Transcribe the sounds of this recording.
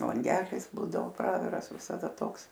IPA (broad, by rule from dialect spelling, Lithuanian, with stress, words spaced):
lˠɐŋʲˈɡʲæːlʲɪs ˈbuːdɐoː ˈprɑːʋʲɪrɐs ʋʲɪsɐˈdɐ ˈtoːks